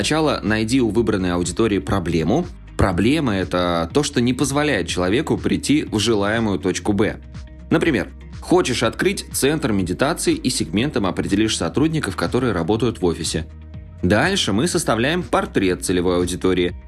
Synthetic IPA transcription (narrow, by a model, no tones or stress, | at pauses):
snɐt͡ɕalˠənɐjdʲiʊvɨbɾənːəjɐʊdʲɪt̪oɾʲɪːpɾɐblʲe̞mʊ | pɾɐblʲe̞məɛt̪ət̪o̞ʂt̪o̞nʲɪpəzvɐlʲæjɪt̪̚t͡ɕɪlˠɐvʲe̞kʊpɾʲɪtʲːivʐɨlˠajɪmʊjʊt̪o̞t͡ɕkʊbɛ̰ | nəpɾʲɪmʲe̞r | xo̞t͡ɕɪʂɐt̪kɾɨtʲt̪sɛnt̪rmʲɪdʲɪt̪at̪sɨɪʔisʲɪɡmʲe̞nt̪əmɐpɾʲɪdʲɪlʲiʂsɐt̪ɾudʲnʲɪkəfkɐt̪o̞ɾɨjəɾɐbo̞t̪əjʊt̪vo̞fʲɪsʲɪ | d̪alʲʂɨmɨsəst̪ɐvlʲæjɪmpɐrt̪ɾʲe̞t̪̚sɨlʲɪvo̞jɐʊdʲɪt̪o̞ɾʲɪɪ